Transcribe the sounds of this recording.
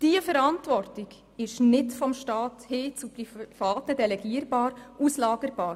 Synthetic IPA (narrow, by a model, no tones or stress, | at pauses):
d̥iəfəɾantʋɔrtɪɡ | ɪʃnɪtfɔmʃtɑːthɪːt͡suprifɑːtədɛlɛɡiːəɾbɑːɾʔuslɑːɡ̥əɾb̥ɑːɾ